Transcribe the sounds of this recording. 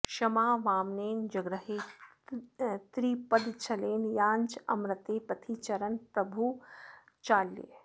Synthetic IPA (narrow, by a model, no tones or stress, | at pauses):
ʃɐmaːʋaːmneːnd͡ʒɐɡɾɐɦeː | t̪ɾiːpɐd̪t͡ʃʰɐleːnjaːnd͡ʒɐ̰mɾɐt̪eːpɐt̪ʰiːt͡ʃɐɾɐnpɾɐbʱu | t͡ʃaːljḛ